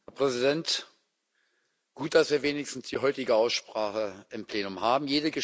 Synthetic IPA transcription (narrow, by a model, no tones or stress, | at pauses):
hɛɐpʁ̥ɛzidɛnt | ɡ̥uːt̚d̥asv̥iːɐveːnɪçstn̩sd̥iːɦɔʏtɪɡəaʊsʃpʁ̥aːχəɪmpʰl̥eːnʊmhaːbm̩jeːdəɡə